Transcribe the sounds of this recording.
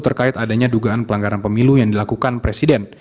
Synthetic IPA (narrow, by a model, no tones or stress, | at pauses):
t̪ərkaɪt̪adaɲaduɡaːnpəlaŋɡaɾanpəmilujaŋdilakukanpɾesidɛn